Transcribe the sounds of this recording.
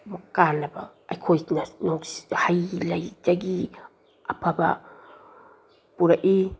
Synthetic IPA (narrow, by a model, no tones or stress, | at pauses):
makanabaːjkʰojtnanoɡshajlajdaɡi | apʰaba̰ | puɾaʔi